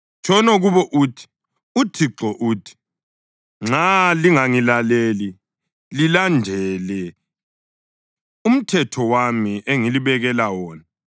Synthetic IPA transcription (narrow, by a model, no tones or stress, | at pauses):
t͡ʃʰʼɔnɔɣuβɔʔuːtʰi̥ | utʰiǁɔʔuːtʰi̥ | ŋ͡ǁaliŋaŋilaleːli | lilandʱɛlɛ | um̩tʰɛtʰɔwamiʔeŋiliβɛɣɛlawɔːna